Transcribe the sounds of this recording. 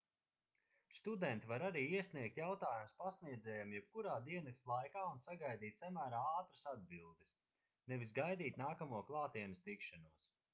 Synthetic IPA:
st̪ud̪ɛnt̪ivaɾaɾiːiɛsniɛk̚t̪jawt̪aːjumspasniɛd̪zɛːjamjɛb̥̚kuɾaːd̪iɛnɐslˠajkaːunsaɡajd̪iːt̪samæːɾaːaːt̪ɾasad̪̚bilˠd̪is | nɛvisɡajd̪iːt̪naːkamuɔklˠaːt̪iɛnɐst̪ikʃanuɔs

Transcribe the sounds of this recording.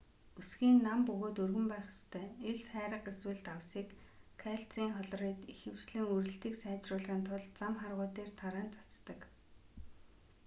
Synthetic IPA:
usɡiːnːampɵɣoːt̪ɵrɣɘ̆mpæːχɪ̥st̪ʰæːeɮsχæːɾə̆qeswɘ̆ɮt̪awsiːkʰːaɬt͡siːŋχɔɮ̆riːt̪ixɘ̆w̥t͡ɕɮɘ̆ŋuɾɘ̆ɬt̪iːksæːt͡ɕrʊːɮʁiːnt̪ʰʊɮt͡samχarʁʊːt̪eːrt̪ʰaɾæːnt͡sḁt͡st̪ə̆k

